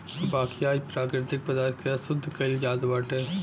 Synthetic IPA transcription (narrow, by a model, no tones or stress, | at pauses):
baːkiaːipɾaːkɾɪt̪ɪk̚pɐd̪aːɾkeɐsʊd̪ʱːkɐɪld͡ʒaːd̪ʋaːʈe